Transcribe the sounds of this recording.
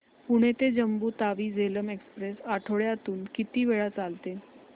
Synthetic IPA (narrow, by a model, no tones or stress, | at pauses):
puɽ̃et̪ed͡ʑəmbuːt̪aʋiːd͡zeləmekspɾesaʈʰoɭjat̪uːnkit̪iːʋeɭat͡salt̪e